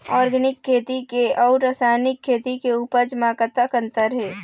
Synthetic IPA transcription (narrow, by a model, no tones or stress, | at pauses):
ɔːɾɡənɪkʰːeːt̪ikeɔːʊɾasaːnɪkʰːeːt̪ikeuːpəɾd͡ʒəmakət̪akə̃nt̪əɾɦɛː